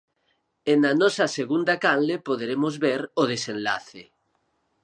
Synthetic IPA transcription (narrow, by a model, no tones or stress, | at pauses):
enanɔsɐseɣund̪akanlepoð̞eɾemozβeɾoð̞esenla̰θe